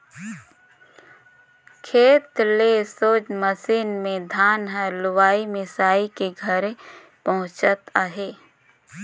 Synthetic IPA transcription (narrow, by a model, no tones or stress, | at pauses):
kʰeːt̪lesoːd͡ʒməsiːnmẽd̪ʱaːnɦəlʊwaːimɪsaːikeɡʱəɾe | pɐɦʊ̃t͡ʃət̪aːɦeː